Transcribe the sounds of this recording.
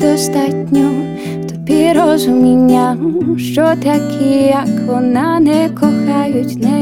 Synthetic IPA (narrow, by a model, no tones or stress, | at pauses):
d̪ɔst̪at̪ʲɲɔ | t̪ɔ̥piɾɔzumʲeɲːaʃtɔt̪akʰiakʰɔnanɛkɔkajutʲnɛ